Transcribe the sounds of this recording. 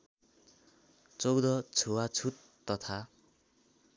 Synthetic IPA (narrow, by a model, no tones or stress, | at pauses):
t͡sowd̪ʌt͡sʰowat͡sʰut̪ːʌt̪ʰa